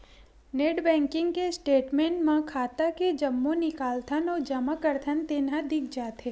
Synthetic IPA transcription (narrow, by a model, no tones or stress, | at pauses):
neːʈbɛ̃ːŋkɪ̃ŋɡkesʈeːʈmẽːɳʈmãkʰaːt̪aked͡ʒɐmːõnɪkaːlt̪ʰənɔːd͡ʒɐmakəɾt̪ʰənt̪ɪnãd̪ɪk̚ʰd͡ʒaːt̪eː